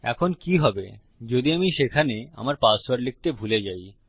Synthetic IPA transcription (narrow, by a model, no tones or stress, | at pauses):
ɛ̰kʰonkiɦɔbe | d͡ʑod̪iamiʃekʰanea̰maɾpasaɾlik̚ʈebʱuled͡ʑaj